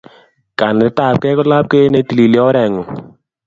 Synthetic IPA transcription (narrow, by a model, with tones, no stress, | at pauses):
ka˨n˨ɾɪ˦ta˦˨p̚kɛ˦kɔ˦la˦p̚ke˦ne˨˦ti˨li˨li˨˦ɔ˦ɾɛ˨ŋu˨